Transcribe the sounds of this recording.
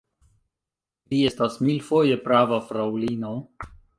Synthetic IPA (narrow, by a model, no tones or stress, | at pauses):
liestasmilfoje̞pɾavafɾawlino